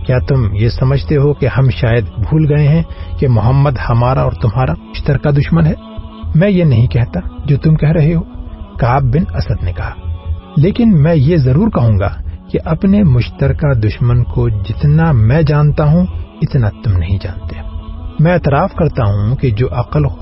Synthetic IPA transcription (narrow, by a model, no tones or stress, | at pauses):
kjaːt̪ʊmjesɐməd͡ʒʱt̪eɦokehɐmʃaːjəd̪bʱuːlɡɐeɦɛ̃kemʊɦəmːəd̪hɐmaːɾaɔːɾt̪ʊmɦaːɾamʊʃt̪əɾkad̪ʊʃmənɦɛː | mɛ̃jenɐɦĩkɛɦt̪ad͡ʒoːt̪ʊmkɛɦɾɐɦeɦoːkaːb̚bɪnɐsəd̪nekɐɦaːleːkɪnmɛ̃ːjezɐɾuːɾkɐɦũːŋɡa̰keʔɐpnemʊʃt̪əɾkad̪ʊʃmənkod͡ʒɪt̪namɛ̃ːd͡ʒaːnt̪aɦũɪt̪nat̪ʊmnɐɦĩd͡ʒa̰ːnt̪emɛ̃eːt̪ɾaːfkɐɾt̪aɦũked͡ʒoːʔɐqəl